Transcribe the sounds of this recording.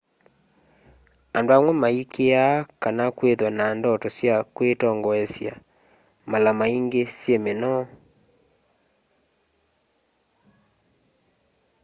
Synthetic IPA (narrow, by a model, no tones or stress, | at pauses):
andoamwɛmaikeakanakweðwanandɔtɔsjakwetɔŋɡɔɛsja̰ | malamaiŋɡesjemenɔ